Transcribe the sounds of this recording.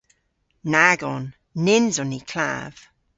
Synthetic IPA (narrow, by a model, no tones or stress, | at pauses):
naɡɔnː | ɪnzɔnikʰl̥a̰v̥